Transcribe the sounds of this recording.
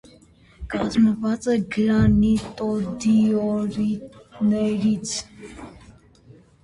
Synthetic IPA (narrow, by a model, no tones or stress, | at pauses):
kʼazmɔvat͡sʼɛɡlanit̪ʼɔd̪iɔɾinɛɾit͡sʰ